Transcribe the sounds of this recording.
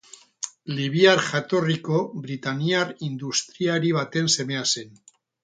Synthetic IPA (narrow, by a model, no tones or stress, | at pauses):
liβ̞iaɾʝat̪o̞riko̞βɾit̪aniarind̪ust̪ɾiaɾiβ̞at̪e̞nse̞me̞ase̞n